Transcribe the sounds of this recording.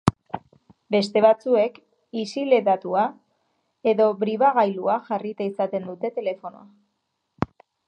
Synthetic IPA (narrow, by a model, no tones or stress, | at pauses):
be̞st̪e̞βat͡sue̞k | isile̞ðat̪ua | e̞ðo̞βɾiβaɣajluaʝarit̪aisat̪e̞nd̪ut̪e̞t̪e̞le̞fo̞no̰a